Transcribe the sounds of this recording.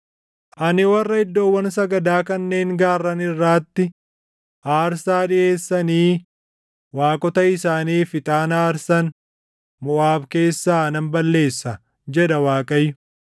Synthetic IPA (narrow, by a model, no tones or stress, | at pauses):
ʔʔɐnɪwɐrːɐɪd̪ːo̞ːwːɐns̬ɐɡɐd̪aːkɐnːe̞ːŋɡaːrːɐnɪrːaːt̪ːɪ | ʔaːɾsaːᶑɪʔe̞ːsːɐniː | waːkʼɔt̪ɐɪsaːniːfɪt̪ʼaːnaːɾsɐn | mʊʔaːbke̞ːsːaːɐnɐmbɐlːe̞ːsːɐ | d͡ʒɛᶑɐwaːkʼɐjːʊ